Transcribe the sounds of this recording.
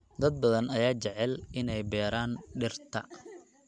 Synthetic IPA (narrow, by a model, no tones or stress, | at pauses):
d̪ɐd̪̚bɐðɐnɐjaːt͡ʃɛʕɛlɪnɛjbɛːɾaːnɖɪrt̪ʰɐ̰